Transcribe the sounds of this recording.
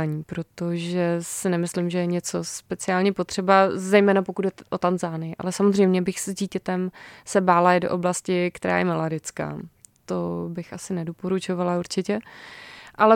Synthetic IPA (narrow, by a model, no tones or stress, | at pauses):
ɲiːpɾo̞t̪o̞ʒɛsɪnɛmɪslɪmʒɛjɛɲɛt͡so̞spɛt͡sɪaːlɲɛpo̞t̪r̥ɛbazɛjmɛːnapokud̪̚dɛʔot̪anzaːnɪjɪʔa̰lɛsamozr̝ɛjmɲɛbɪxszɟiːcɛt̪ɛmsɛbaːlaɪdo̞̰ʔo̞blascɪkt̪ɛɾa̰ːjɛmaladɛt͡ska̰ː | t̪obɪxʔasɪnɛdopo̞ɾut͡ʃo̞valauɾt͡ʃɪcɛ | ʔalɛ